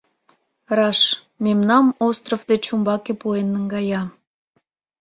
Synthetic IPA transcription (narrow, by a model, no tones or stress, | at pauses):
rɑʃ | mʲemnɑmost̪rofd̪et͡ɕumbɑkepuenːəŋɡɑjɑ